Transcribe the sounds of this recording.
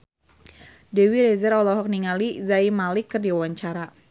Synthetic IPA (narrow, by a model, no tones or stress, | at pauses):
dɛwiɾɛzɛɾɔlɔɦɔk̚niŋalizaimalɪkːɨrdiawaɲt͡ʃaɾa